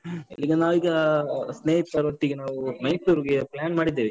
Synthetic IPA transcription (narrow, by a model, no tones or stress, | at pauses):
ḭlːiːɡɐnaːʋiːɡɐsneːit̪ːaːɾʋɐʈːiːɡɐnaːʋunɐjsuɾɡeplʲaːnmaːɽid̪ːiːʋi